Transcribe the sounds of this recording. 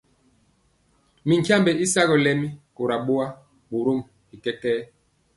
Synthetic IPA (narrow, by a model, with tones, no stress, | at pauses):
mi˨ŋ˨kja˦mbɛ˨i˦sa˦ɣɔ˨lɛ˦mi˦ko˨ɾa˨ɓo˦a˦ | ɓo˨ɾo˦˨m | i˨kɛ˦kɛː˦